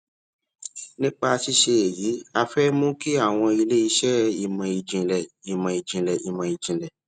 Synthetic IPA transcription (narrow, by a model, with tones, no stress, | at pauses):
nĩ˦k͡pa˧ʃi˧ʃe˧e˨ji˨˦a˧fɛ˦mũ˦ki˦a˦˨w̃ɔ̃˧i˧le˦i˧ʃɛ˦i˧mã˧i˧d͡ʒĩ˧lɛ˨i˧mã˧i˧d͡ʒĩ˧lɛ˨ʔi˧mã˧i˨d͡ʒĩ˨lɛ˨